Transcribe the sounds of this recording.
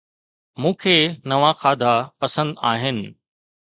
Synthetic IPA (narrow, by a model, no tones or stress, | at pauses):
mũːkʰeːnɐʋãxaːd̪ʱapɐsə̃nd̪aːɦɪnɪ̆